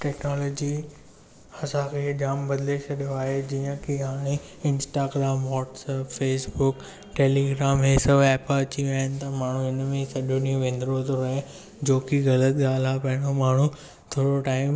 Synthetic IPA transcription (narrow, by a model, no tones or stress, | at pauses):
ʈɛːknɔːlɔːd͡ʑi | hɐsakʰed͡ʑaːmbɐd̪ɪlet͡ʃʰɐɗijoaːɦed͡ʑijə̃kiɦaːɽ̃e | ɪ̃nsʈaːɡɾaːmʋɔːʈsɛːpfeːsbʊk | ʈeːliɡɾaːmɦeːsɐbɛːpəɐt͡ɕiaːɦɪnɪ̆t̪ɐmaːɳ̤ũɦɪnmẽsɐɗonĩũʋẽːn̆d̪ɾot̪oɾɐɦe | d͡ʑoːkiɣɐlət̪ɠaːlaːpɐɦɪɽ̃omaːɳ̤u | t̪ʰoːɽoʈaːɪ̃m